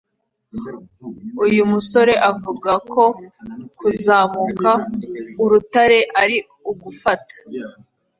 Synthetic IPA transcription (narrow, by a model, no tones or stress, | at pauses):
ujumuso̞ɾe̞ʔavuɡakʰo̞kuzaːmukauɾutaɾe̞ʔaɾi | uɡufatḁ